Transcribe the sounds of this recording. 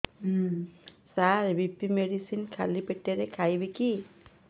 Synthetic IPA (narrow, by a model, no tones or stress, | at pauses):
saɹbipimedisinkʰa̰lipeteɾɛkʰajbeki